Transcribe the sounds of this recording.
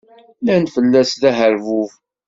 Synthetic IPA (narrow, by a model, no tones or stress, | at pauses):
lænfəlːæsðæɦəɾvuv